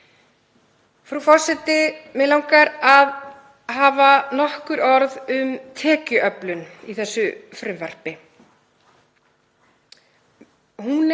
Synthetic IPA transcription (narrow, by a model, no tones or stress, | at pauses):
fɾufɔr̥sɛt̪ɪmɛlawŋkaɾað | ɦaːvanɔhkʏɾɔɾðʏmt̪ʰɛːcʏʔœplʏniθɛsːʏfɾɪmvɛr̥pɪ | hun